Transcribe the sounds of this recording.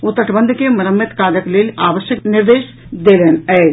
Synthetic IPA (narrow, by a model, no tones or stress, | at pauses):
ʊt̪ːɾəʈʰbə̃nd̪ʱkemɐɾəmːɪt̪kaːd̪əkleːlaːʋəʃjəknɪɾʋeːʃ | d̪eːleːnɛː